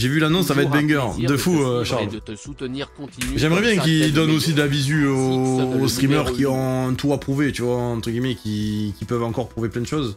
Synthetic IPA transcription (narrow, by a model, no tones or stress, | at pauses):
ʒevylanɔ̃ssavaɛt̪̚bɛ̃ɡœʁd̪əfuøʃaʁl | ʒɛmʁɛbjɛ̃kid̪ɔnosid̪əlavizyoost̪χimœʁkʲiɔ̃ɛ̃t̪ʰuapχuvet̪yvwaɑ̃t̪χəɡʲimɛkʲikʲipœvɑ̃kɔʁpχuveplɛ̃d̪əʃɔz